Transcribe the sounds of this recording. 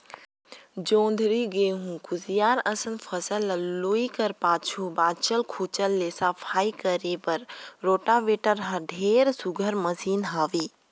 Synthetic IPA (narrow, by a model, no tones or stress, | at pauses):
d͡ʒõːnd̪ʱɾiɡeɦũkuzijaːɾəsənpʰəsələlluikəɾpaːt͡ʃʰubaːt͡ʃəlkʰuːt͡ʃəlːeːsapʰaːikəɾeːpəɾɾoːʈaːʋeːʈəɾɦɐɖʱeːɾsuɡʱəɾməsiːnɦaːʋiː